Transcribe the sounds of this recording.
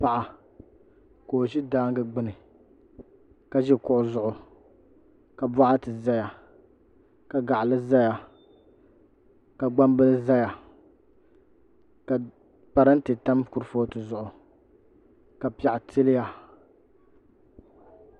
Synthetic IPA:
pa˨ʔa˨ | koː˨ʒi˦daː˦ŋ˦ɡɨ˦ɡ͡bɨ˦nɨ˨ | ka˨ʒɛ˦kʊ˦ʔʊ˨zʊ˦ʔʊ˨ | ka˨ba˦ʔa˦tɨ˨za˦ja˨ | ka˨ɡa˨ʔlɨ˦za˦ja˨ | ka˨ɡ͡ba˦m˦bɨ˦lɨ˦za˦ja˨ | ka˨ | pa˨ɾɨ˦n̩˦tɨ˨ta˦mku˨ɾfo˦tɨ˨zʊ˨ʔʊ˨ | ka˨pi˦a˨ʔa˨tʰɨ˦lɪ˦ja˨

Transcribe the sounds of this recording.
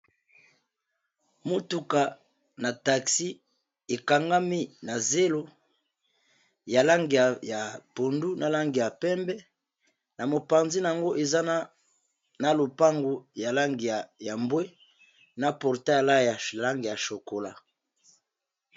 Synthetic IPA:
mo˦tu˦ka˨ | na˨ta˨ksi˦ | e˨ka˨ŋɡa˦mi˦na˨ze˦lo˦ | ja˨la˦ŋɡi˨a˨ja˨po˨ndu˦na˨la˦ŋɡi˨ja˨pɛ˦mbɛ˦ | na˨mo˨pa˨nzi˦na˨a˨ŋɡo˦ʔe˨za˦n˦ | na˨lo˨pa˦ŋɡo˨ja˨la˦ŋɡi˨ja˨mbwe˦ | na˨pɔ˨ʁta˦˨la˦˨ja˨la˦ŋɡi˨ja˨ʃo˨ko˨la˦

